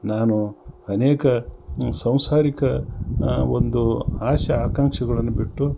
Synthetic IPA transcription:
naːnuɐneːkɐsɐ̃w̃saːɾikɐ | o̰nd̪uaːʃɐaːkaŋʂɐɡɐɭɐnːubiʈːu

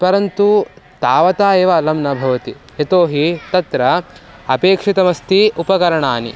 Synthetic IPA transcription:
pɐɾɐnt̪ut̪aːʋɐt̪aːjeːʋɐlɐmnɐbʱɐʋɐt̪i | et̪oːɦit̪ɐt̪ɾɐɐpeːkʂit̪ɐmɐst̪iupɐkɐɾɐɳaːni

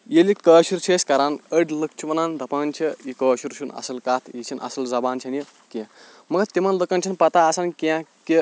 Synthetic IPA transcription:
jilikəːʃuɾt͡ʃʰeːsʲkɐɾanəɽʲlək̚t͡ʃʰuʋɐnaːnd̪ɐpɐːnt͡ʃʰiikəːʃuɾt͡ʃʰunɐ̰sɐlkaːt̪ʰjit͡ʃʰinʔɐ̰sɐlzɐbaːnt͡ʃʰɐnji | ke | mɐɡɐt̪imɐnləkɐnt͡ʃʰinpɐt̪aːsankãke

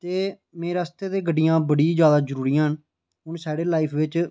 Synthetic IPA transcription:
t̪eː | mẽːɾaːst̪eːd̪eːɡəɖːijãːbəɽiːd͡ʒjaːd̪aːzəɾuːɾijãːɦən | ɦʊnsaːɽeːlaːiːpʰʋɪt͡ʃ

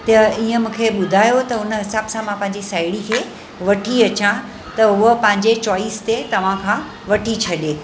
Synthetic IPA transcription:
t̪ɐiːə̃mũːkʰeɓʊd̪ʱaːjot̪ɐʊnɦɪsaːbsãmãpɐ̃ɦɪ̃ɲd͡ʑisaːɪɽikʰeː | ʋɐʈʰiɐt͡ɕã | t̪ɐɦʊəpɐ̃ɦɪ̃ɲ̆d͡ʑet͡ɕɔːiːst̪et̪ɐʋ̤ãkʰãː | ʋɐʈʰit͡ɕʰɐɗeː

